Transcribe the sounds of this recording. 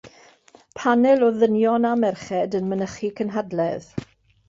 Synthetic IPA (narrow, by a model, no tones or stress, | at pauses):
pʰanɛlˠɔðənjɔnamɛrχɛdənmənəχikʰənɦadlɛð